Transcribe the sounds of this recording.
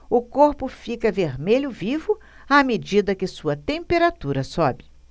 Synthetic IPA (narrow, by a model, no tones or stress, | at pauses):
ʊkoɾpʊfikɐveɾmeʎʊvivʊ | amed͡ʒid̪ɐkɪsuɐt̪ẽmpeɾat̪uɾɐsɔbɪ̥